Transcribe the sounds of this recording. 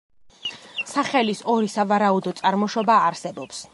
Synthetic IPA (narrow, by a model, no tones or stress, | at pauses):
saχɛlisɔɾisavaɾaud̪ɔt̪sʼaɾmɔʃɔbaːɾsɛbɔps